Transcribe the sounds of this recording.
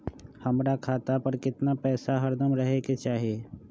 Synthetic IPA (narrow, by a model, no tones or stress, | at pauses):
hɐmɾakʰaːt̪apɐɾkɪt̪napɛːsaɦɐɾd̪əmɾɐɦeket͡ʃaːɦieː